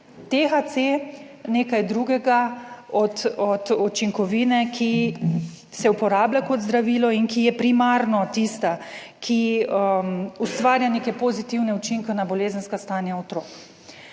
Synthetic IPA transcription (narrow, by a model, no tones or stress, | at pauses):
t̪exat̪se | neːkajd̪ɾuɡɛɡaɔt̪ɔt̪ut͡ʃiŋkɔʋiːnɛkʰi | sɛupɔɾaːblʲakɔd̪zd̪ɾaʋiːlɔinkijɛpɾimaːɾnɔt̪ist̪a | kʰi | ust̪ʋaːɾjanekɛpozit̪iwnɛut͡ʃiŋkɛnabɔleːzənskast̪aːnjaɔt̪ɾoːk